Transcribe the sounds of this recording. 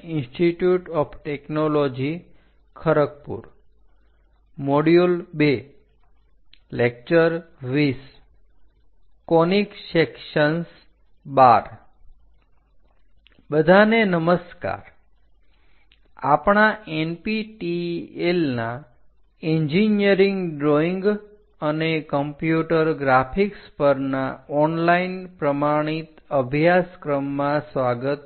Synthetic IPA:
ĩnsʈiʈjuʈɔpʰʈeknolod͡ʒi | kʰəɾək̚pṵɾ | moɽjolbe | lek̚t͡ʃəɾ | ʋis | koniksekʃəns | baɾ | bəd̪ʱanenəməska̰ɾ | a̰pɳ̃aʔenpiʈielna | eɲd͡ʒinjəɾĩŋɡɖɾoiŋɡ | ənekəmpjuʈəɾɡɾafʰikspəɾnaɔnlainpɾəmaɽ̃it̪əbʱjaskɾəmːãsʋaɡət̪

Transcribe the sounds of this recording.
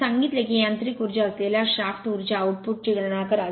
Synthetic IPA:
aŋɡit̪lekijãnt̪ɾikuɾd͡ʑaəsleljaɕaft̪uɾd͡ʑaːwʈ̚puʈ̚t͡ɕiɡəɽɳakəɾa

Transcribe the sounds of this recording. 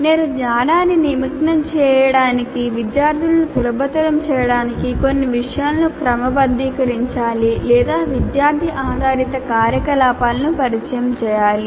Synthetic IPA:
neːɾuɡɲaːnaːnːinimiknɐmt͡ʃɛːjɐɽaːnikiʋid̪jaːɾt̪ʰilɐnusulɐbɐt̪ɐɾɐmt͡ʃɛːjɐɽaːnikikonːiʋiʂɐjaːlnukɾɐmɐbɐnd̪iːkɐɾiɲt͡ʃaːlilɛːd̪aːʋid̪jaːɾd̪ʱiʔaːd̪ʱaːɾit̪ɐkaːɾjɐkɐlaːpaːlɐnupɐɾit͡ʃɐjɐmt͡ʃɛːjaːli

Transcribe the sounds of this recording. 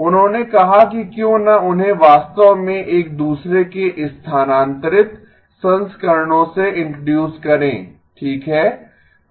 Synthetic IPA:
ʊnɦõːnekɐɦakikjõːnɐʊnɦẽʋaːst̪əʋmẽʔeːk̚d̪uːsɾekeʔɪst̪ʰaːnãːnt̪əɾɪt̪ | sɐ̃nskəɾɳõseɪ̃ɳʈɾoɖjuːskɐɾḛ̃ː | ʈʰiːkɦɛː

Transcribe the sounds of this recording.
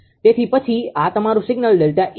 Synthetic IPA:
t̪et̪ʰipət͡ʃʰiat̪əmaɾũsɪɡnəlɖelʈaʔ

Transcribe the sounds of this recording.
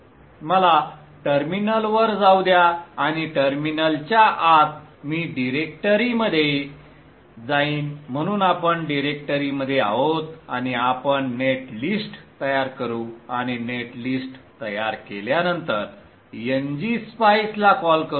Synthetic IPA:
məla | ʈəɾminəlʋəɾd͡zawd̪jaːɽ̃iʈəɾminəlt͡ɕjaʔat̪miːɖiɾek̚ʈəɾiməd̪ʱːje | d͡zaiːnm̤əɽ̃uːnapəɳɖiɾek̚ʈəɾiməd̪ʱːjea̰ɦot̪a̰ñiapəɳːeʈlisʈt̪əjaɾkəɾuaɽ̃ineʈlisʈt̪əjaɾkeljanənt̪əɾ | jəɲd͡ʑispajslakɔlkə

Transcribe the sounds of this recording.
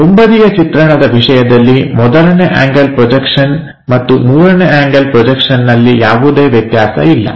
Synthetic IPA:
t̪umbɐd̪ijɐt͡ʃit̪ɾɐɳɐd̪ɐʋiʂɐjɐd̪ɐlːimɔd̪ɐɾɐneʔa̰ːŋɡɐlpɾɔd͡ʒɐkʂɐn | mɐt̪ːumuːɾɐneaːŋɡɐlpɾɔd͡ʒɐkʂɐnːɐlːijaːʋud̪e̞ːʋjɐt̪jaːsɐ̰ilːɐ̰

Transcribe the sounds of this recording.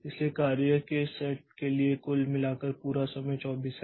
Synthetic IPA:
ɪsliekaːɾjəkesɛːʈ̚keliekʊlmɪlaːkəɾpuːɾasɐməjt͡ʃɔːbiːs

